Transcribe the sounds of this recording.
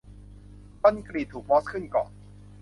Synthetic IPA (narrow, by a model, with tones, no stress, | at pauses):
t̪o˥˩˨nkɾiː˨˩t̪ʰːuː˨˩k̚bɔː˦˥s̚kʰɯ˥˩nkɔ̰ː˨˩n